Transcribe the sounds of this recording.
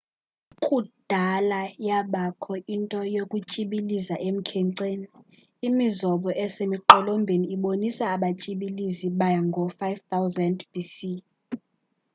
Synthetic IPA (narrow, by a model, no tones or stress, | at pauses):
kʼud̥ʱalajaɓakʰɔintʼɔjokʼut͡ʃʼiɓilizaʔem̩kʰɛŋǀeːniː | mizɔɓɔʔɛsemiǃɔlombʱeniːɓonisaːɓat͡ʃʼiɓiliziɓajaŋɡʱɔfajvt̪ʰawzɛndb̥isi